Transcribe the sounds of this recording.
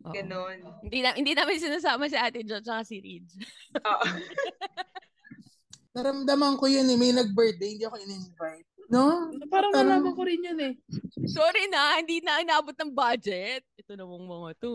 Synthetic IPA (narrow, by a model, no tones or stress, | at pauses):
ʔoɡɐnonɪnd̪inɐhɪnd̪iːnamɐns̬ɪnaːs̬aːmɐs̬iʔaːt̪ɪd͡ʒot͡ʃɐkasiɾḭd͡ʒʔoʔ | t̪ɐɾɐmd̪ɐmɐŋkojonɛmɐjnɐɡ̚bɛɹt̪̚d̪ejhɪnd̪iːʔɐkoŋɪnɪnvajt̪̚nopaːɾɐanaːmɐkoɾɪnjonɛsoːɾinɐhɪnd̪iːnɐʔɐnaːbot̪̚nɐŋbaːd͡ʒɛt̪̚ɛt̪onɐmoŋmɐŋat̪o